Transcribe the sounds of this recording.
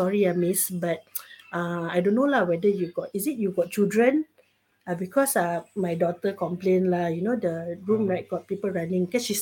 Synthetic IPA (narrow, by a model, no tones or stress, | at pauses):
ɔɹiamisbat̚ãajdõnːolawɛdəjuɡɔtisit̚juɡɔt̚t͡ʃildɹə̃n | abikɔsamajdɔtəkɔ̃mplẽnlajunodəɹũmɹaɪt̚ɡ̥ɔt̚pipəlɹanĩŋkɛsʃis